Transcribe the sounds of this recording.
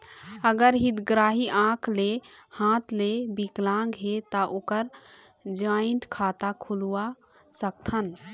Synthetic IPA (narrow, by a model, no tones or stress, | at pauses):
əɡəɾɦid̪ɡɾaɦiʔãkʰlehãt̪lebiklãŋɡɦet̪əʔokəɾ | d͡ʒaiɳʈkʰat̪akʰulua | sək̚t̪ʰən